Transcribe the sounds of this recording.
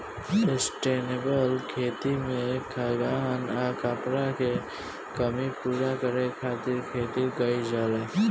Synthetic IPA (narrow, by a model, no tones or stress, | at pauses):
sesʈeːnebəlkʰeːt̪imẽkʰaɡanakapɾake | kəmipuːɾakəɾekʰaːt̪ɪɾkʰeːt̪iɡəid͡ʒaːle